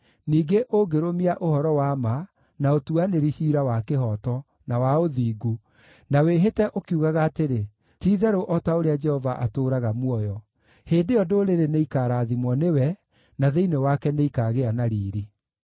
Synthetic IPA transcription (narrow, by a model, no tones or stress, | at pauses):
niːɡeʔoɡeɾomiaʔohɔɾɔwama | naotuaneɾiɕiːɾawakeɦɔtɔ | nawaoðiːɡu | naweɦetɛʔokiuɣaɣaːteɾe | tiːðɛɾoʔɔtaoɾead͡ʒɛhɔvaʔatoːɾaɣamwɔjɔ | heːndejɔdoːɾeɾeneikaːɾaːðimwɔnewɛ | naðeinewakɛneikaɣeanaɾiːɾi